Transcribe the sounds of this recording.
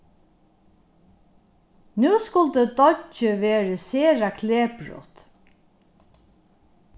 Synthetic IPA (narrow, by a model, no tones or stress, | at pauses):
nʉːskʊld̪əd̪ɔt͡ʃəʋeːɹəseːɹakʰleːpɹṵːt̪